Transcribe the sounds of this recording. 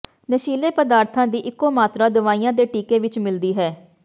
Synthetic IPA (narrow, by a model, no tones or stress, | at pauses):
nəʃiːleːpəd̪aːɾt̪ʰãːd̪iːʔɪkːoːmaːt̪ɾaːd̪ʊʋaːiːjãːd̪eːʈiːkeːʋɪt͡ʃmɪld̪iːɦɛː